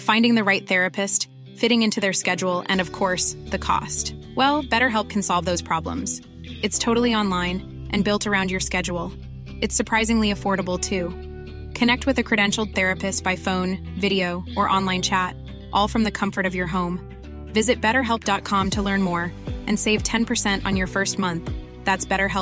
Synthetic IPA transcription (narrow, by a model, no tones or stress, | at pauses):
fãɪ̃ndɪ̃ŋðɨɹaɪt̪̚θɛɹɨpʰɨst | fɪɾɪ̃ŋɪ̃ntʰʉðə˞skɛd͡ʒul̩ˠɨ̰̃nʌv̥kʰɔɹsðɨkʰɔ̰st | wɛlˠb̥ɛɾə˞ɦɛlˠp̚kʰn̩sɑlˠvðoʊz̥pʰɹ̥ɑblə̰̃mz̥ | ɨtstʰoʊɾl̩ˠiɑ̃nlãɪ̃n | ʔɨ̃nbɪlˠtʰə˞ãʊ̃ndjə˞skɛd͡ʒul̩ˠ | ɨtsə˞pʰɹ̥aɪzɪ̃ŋliɨfɔɹɾəbl̩ˠtʰʉ | kʰɨnɛk̚t̚wɨðɨkʰɹ̥ɨɾɛ̃nʃl̩ˠd̪̚θɛɹɨpɨstb̥aɪfõʊ̃n | vɪɾioʊʔə˞ʔɑ̃nlˠãɪ̃nt͡ʃʰæt | ʔɔlˠfɹʌ̃mðɨkʰʌ̃ɱfə˞ɾʌvjə˞ɦõʊ̃m | vɪzɨt̚b̥ɛɾə˞ɦɛlˠp̚d̥ɑt̚kʰɑ̃mtʰəlɜ̃˞nmɔɹʔɨ̃nseɪv̥tʰɛ̃npʰə˞sɛ̃ntn̩jə˞fɜ˞st̚mʌ̃nθ | ðætsb̥ɛɾə˞ɦɛ